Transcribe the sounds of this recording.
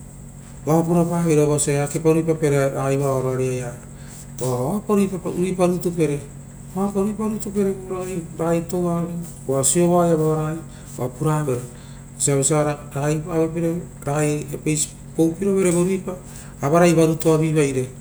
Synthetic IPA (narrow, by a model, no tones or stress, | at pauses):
bapuɾapaβeɾeoβasaakepaɾuipape̞ɾeɾaajβaaɾoaɾiaja | topaɾipapuɾipaɾutupe̞ɾe | apaɾipaɾutupe̞ɾeɾaajɾajtowaɾe | asio̞βajaβaβaɾaj | apuɾaβeɾe | siaβesiaɾaɾajpaβepeɾe | ɾaaepejs | powpiɾo̞βe̞ɾeβaɾuipaː | βaɾajβaɾutoaβiβajɾe̞